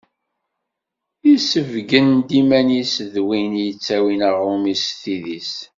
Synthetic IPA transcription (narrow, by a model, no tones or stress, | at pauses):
isəvɡənd̪imænisðwinjət͡sːæwinəʁɾomisθiðis